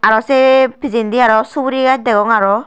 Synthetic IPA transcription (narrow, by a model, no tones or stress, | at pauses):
aɾɔsepizind̪iaɾɔsubuɾiɡat̚d̪eɡɔŋaɾɔ